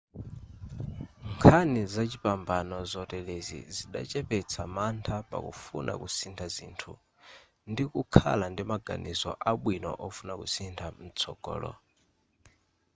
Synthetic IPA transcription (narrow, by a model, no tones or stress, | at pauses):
ŋkʰanizat͡ʃipambanɔzɔtɛlezḭziɗa̰t͡ʃɛpɛt͡sʰamantʰapa̰kṵfunʔa̰kusintʰazḭːntʰu | ndikukʰa̰landimaɡa̰nʔizɔ̰ʔaɓwinɔ̰ʔɔfunakusintʰam̩t͡sʰɔɡ̥ɔ̰ːlɔ̰